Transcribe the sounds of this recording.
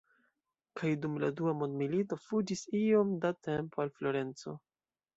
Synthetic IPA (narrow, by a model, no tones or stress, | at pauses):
kʰajdumladuamo̞ndmilito̞fud͡ʒisio̞mdate̞mpoalflo̞ɾe̞nt͡so̞̰